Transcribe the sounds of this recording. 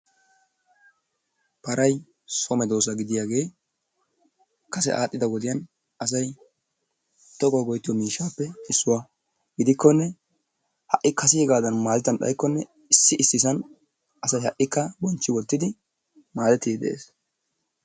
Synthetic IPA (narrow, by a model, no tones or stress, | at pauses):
pɐɾɐj | sɔmɛd̪o̞ːs̬ɐɡɪd̪ɪjaːɡe̞ː | kɐsɛ̰ʔaːtʼːɪd̪ɐwɔd̪ɪjɐn | ʔɐs̬ɐj | t̪ɔɡɔːɡɔjt̪ːɪjɔmiːʃːaːpːɛɪsːʊwa | ɡ̥ɪd̪ɪkːɔnːɛ | hɐʔɪkɐsɪjɛɡaːd̪ɐnmaːlɪt̪ɐnɗɐ̰jkːɔnːɛ | ɪsːɪʔɪsːɪsɐn | ʔɐsɐjhɐʔʼːɪkːɐbɔnt͡ʃːɪwɔlt̪ːɪd̪ɪ | maːd̪ɛt̪ːidd̪ɛ̰ʔḛːs